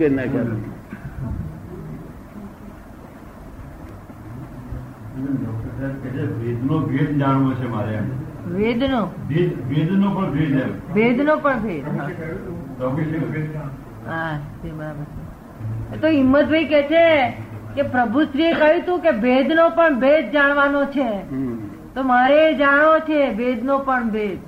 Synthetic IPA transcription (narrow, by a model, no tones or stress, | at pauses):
kenaka | enət̪aɾket͡ʃʰebed̪ʱnobʱed̪d͡ʒaɽʋot͡ʃʰemaɾeaʋed̪nobʱed̪ʋed̪nopəɳbʱed̪ebed̪ʱnopəɳbʱed̪a | əbuʃi | ɦad͡ʒʰebəɾabəɾt͡ʃʰe | et̪oɪmːət̪̚bʱəikɛt͡ʃʰekepɾəbʱusɾiekəjũt̪ũkebed̪ʱnopəɳbed̪̚d͡ʒaɽ̃ʋanot͡ʃʰe | t̪omaɾed͡ʒaɽ̃ot͡ʃʰebed̪ʱnopəɳbed̪